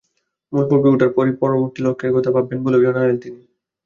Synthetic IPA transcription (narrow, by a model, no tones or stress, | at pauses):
mulpuɾbiuʈaɾpɔɾipɔɾoboɾt̪ilokʰːeɾɡʱot̪apabːenbolebionɦalent̪ini